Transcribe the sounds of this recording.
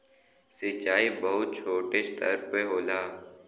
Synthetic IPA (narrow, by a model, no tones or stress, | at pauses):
sɪt͡ʃaːibəɦʊt̪̚t͡ʃʰoːʈeʃt̪ə̰ɾpeɦoːlaː